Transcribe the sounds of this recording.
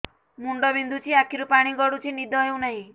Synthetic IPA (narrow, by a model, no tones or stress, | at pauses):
muɳɖɔbind̪ʱut͡ʃʰiakʰiɾupaɽ̃iɡɔɽut͡ʃʰinid̪ʱɔɦew̃naɦĩ